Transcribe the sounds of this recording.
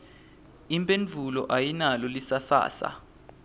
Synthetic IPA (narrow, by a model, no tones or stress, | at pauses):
impʼend͡ɮʱulɔʔajinalɔlisasa̰ːsa̰